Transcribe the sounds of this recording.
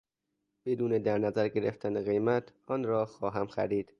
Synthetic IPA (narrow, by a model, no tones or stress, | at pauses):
b̥e̞d̪uːned̪æɾnæzæɾɟe̞ɾḛft̪ʰæneɣe̞jmæt̪ʰɒːnɾɒːxɒːɦæmxæ̰ɾiːd̪̥